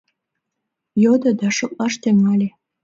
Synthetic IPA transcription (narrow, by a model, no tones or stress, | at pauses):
jod̪ə̆d̪ɑʃŏk̚ʼlɑʃt̪eŋɑlʲe